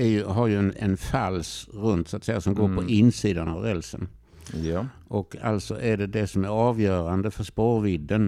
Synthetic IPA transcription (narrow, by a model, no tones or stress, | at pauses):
æɾjɵɦaɾjɵɛnɛ̰nfalːsɾɵnt̪sat̪sɛjːasɔmɡoːɾpʰɔʔɪnːsiːd̪anavɾɛlsə̰n | ʔɔkʰːa̰lt̪sɔ̰ʔæɖɛd̪ɛsɔmæɾɑːvjœːɾand̪əfœʂpoːɾvɪd̪ːən